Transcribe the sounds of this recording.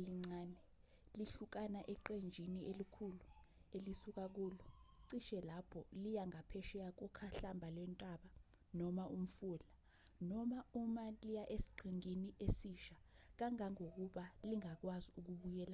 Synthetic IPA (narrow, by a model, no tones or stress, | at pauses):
liŋ͡ǀaːnɛ | liɬuk̬anaʔɛǃend͡ʒʱiniʔelikʰulu | elisuk̬ak̬uluǀiʃɛlapʰɔlijaŋapʰɛʃɛjak̬ukʰaɬambʱalwɛntʼaɓa | nɔmaʔum̩fula | nɔmaumalijaʔesi̥ɡ͡ǀʱiŋiniʔesiʃa | k̬aŋaŋok̬uɓaliŋak̬waziuk̬uɓujɛːla